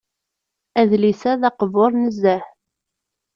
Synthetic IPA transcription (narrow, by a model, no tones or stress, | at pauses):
æðlisæðɑqəvoɾˤnəzːæħ